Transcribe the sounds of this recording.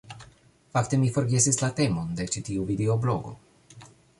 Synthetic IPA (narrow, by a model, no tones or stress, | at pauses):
fakte̞mifo̞ɾɡe̞sislate̞mo̞nde̞t͡ʃitiuvideo̞blo̞ɡo̞̰